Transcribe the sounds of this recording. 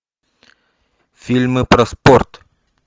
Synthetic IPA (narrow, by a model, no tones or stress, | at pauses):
fʲilʲmɨpɾɐsport̪